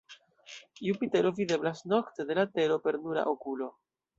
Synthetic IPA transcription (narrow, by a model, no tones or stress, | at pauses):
iupite̞ɾo̞vide̞blasno̞kte̞de̞late̞ɾo̞pe̞ɾnuɾa̰ʔokulo̞